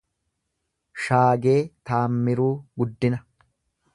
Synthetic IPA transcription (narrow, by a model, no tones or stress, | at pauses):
ʃaːɡe̞ːt̪aːmːɪɾuːɡʊd̪ːɪnɐ